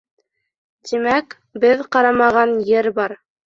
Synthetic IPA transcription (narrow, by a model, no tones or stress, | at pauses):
t̪imæk | bɘðqɑɾɑmɑʁɑnjɘɾbɑɾ